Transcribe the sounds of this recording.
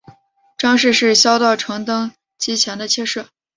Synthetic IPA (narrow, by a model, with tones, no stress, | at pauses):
ʈ͡ʂɑ˥ŋʂɻ̩˥˧ʂɻ̩˥˩ɕjɑ˥ʊt̪ɑ˥˩ʊʈ͡ʂʰɤ˧˥ŋt̪ɤ˥ŋ | t͡ɕi˧˥t͡ɕʰjɛ˧˥nd̪ə˧t͡ɕʰjɛ˥˧ʂɤ˥˩